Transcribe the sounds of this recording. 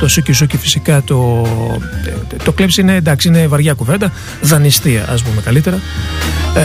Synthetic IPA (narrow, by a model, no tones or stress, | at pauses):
t̪osucisucifi̥sikɐt̪o̞ | t̪oklepsine̞ːnd̪ɐksiinevɐɾʝɐkuve̞nd̪ɐ | ðɐnist̪iɐ̰ʔɐ̰s̬pumekɐlit̪e̞ɾɐ